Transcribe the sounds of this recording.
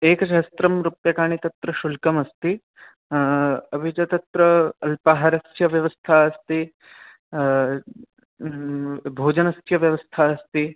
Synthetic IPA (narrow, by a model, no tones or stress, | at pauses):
eːkɐʃɐɦst̪ɾɐmɾupjɐkaːɳit̪ɐt̪ɾɐʃulkɐmɐst̪i | ɐbʱid͡ʒɐt̪ɐt̪ɾɐɐlpaɦɐɾɐsjɐʋjɐʋɐst̪ʰaɐst̪i | bʱoːd͡ʒɐnɐsjɐʋjɐʋɐst̪ʰaɐst̪i